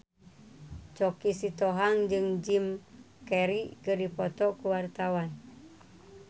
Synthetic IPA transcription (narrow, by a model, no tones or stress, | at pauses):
t͡ʃɔkisit̪oɦaŋd͡ʒɨŋd͡ʒim | kɛɾikɨrdipɔt̪ɔkuwart̪awan